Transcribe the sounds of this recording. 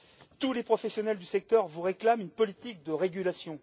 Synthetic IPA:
t̪ulepχɔfɛsjɔnɛld̪ysɛk̚t̪œʁvuʁeklamynpɔlit̪ik̚d̪əʁeɡʲylasjɔ̃

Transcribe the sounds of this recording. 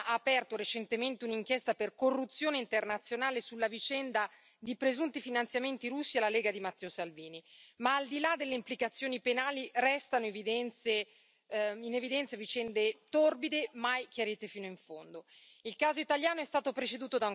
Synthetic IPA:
ʔaːpɛrt̪oɾet͡ʃent̪ement̪euniŋkjest̪aperkorːut̪sːjoːneint̪ernat̪sːjonaːlesulːavit͡ʃɛnd̪a | d̪ipɾezunt̪ifinant̪sjament̪iɾusːialːaleːɡad̪imat̪ːɛːosalviːnimaːld̪ilad̪elːeimplikat̪sːjoːnipenaːlirɛst̪anoevid̪ɛnt̪se | inevid̪ɛnt̪sjavit͡ʃɛnd̪et̪orbid̪emajkjaɾiːt̪efiːnoiɱfond̪o | ilkaːzoit̪aljaːnoɛst̪aːt̪opɾet͡ʃed̪uːt̪od̪aŋ

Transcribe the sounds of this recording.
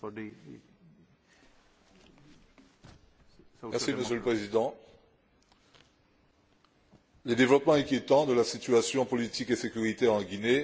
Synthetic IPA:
mɛʁssiməsjøləpχezid̪ɑ̃ | led̪evlɔpmɑ̃ɛ̃kʲjet̪ɑ̃d̪əlasit̪yasjɔ̃pɔlit̪ikesekʲyʁit̪ɛʁɑ̃ɡʲine

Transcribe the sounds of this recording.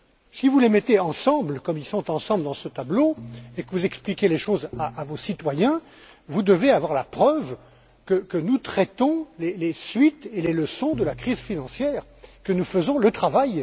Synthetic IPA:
sivulemɛt̪eɑ̃sɑ̃blkɔmilsɔ̃t̪ɑ̃sɑ̃bləd̪ɑ̃sət̪abloekəvuzɛksplikʲjeleʃozaʔːvosit̪wajɛ̃ | vud̪əveavwaʁlapχœv | kəkənut̪χɛt̪ɔ̃lelesɥit̪eleləsɔ̃d̪əlakχizfinɑ̃sjɛːʁ | kənufəzɔ̃lət̪χavaj

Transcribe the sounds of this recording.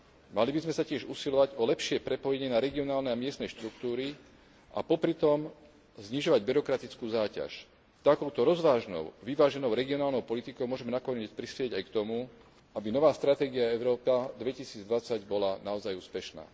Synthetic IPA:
malibizmɛsacɪɛʒusilɔʋaɟɔlɛpʃɪɛpɾɛpɔjɛɲɛnaɾɛɡiɔnaːlnɛamɪɛst̪nɛʃt̪ɾuk̚t̪uːɾi | ʔa̰pɔpɾit̪ɔm | zɲiʒɔʋaɟbiɾɔkɾat̪it͡skuːzaːca̰ʃ | t̪akɔʊt̪ɔɾɔzʋaːʒnɔ̰ʊʋiʋaːʒɛnɔʊɾɛɡiɔnaːlnɔʊpɔlit̪ikɔʊmʊɔʒɛmɛnakɔɲɛːt͡spɾispɪɛɟajkt̪ɔmu | abinɔʋaːst̪ɾat̪ɛːɡiaɛʊɾɔːpad̪ʋɛcisiːd͡zd̪ʋat͡saɟbɔlanaɔzajuːspɛʃna̰ː

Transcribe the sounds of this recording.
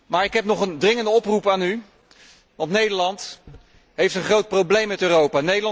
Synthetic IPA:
maːɹɪkɦɛpnɔχəndrɪŋəndəɔprupaːny | ʋɑntnejdəɹlɑnt | ɦejftənχrowt̚prowblejmɛtøːrowpaːnejdəlɑ

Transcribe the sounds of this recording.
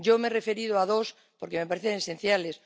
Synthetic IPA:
ɟ͡ʝomerefeɾiðoaðos | poɾkemepaɾeθeŋesẽn̟θjales

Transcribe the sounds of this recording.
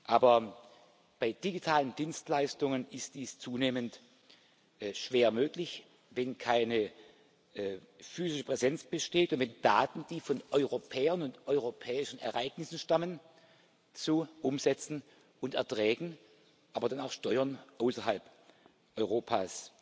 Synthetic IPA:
ʔaːbɐ | b̥aɪd̥iɡitʰaːləndiːnstlaɪstʊŋənɪstd̥iːst͡suːneːmənt | ʔʃv̥eːɐmøːklɪç | vɛnkʰaɪnə | fyːzɪʃəpʁ̥ɛzɛnt͡sb̥əʃteːtʊntv̥ɛnd̥aːtn̩d̥iːfɔnʔɔʏʁopʰɛːɐnʊntʔɔʏʁopʰɛːɪʃn̩ɛ̰ɐʔaɪɡ̥nɪsn̩ʃtamən | t͡suʔʊmzɛt͡sn̩ | ʊntɛɐtʁ̥ɛːɡŋ̩ | ʔaːbɐdanaʊxʃtɔʏɐnʔaʊsɐɦalp | ʔɔʏʁoːpʰaːs

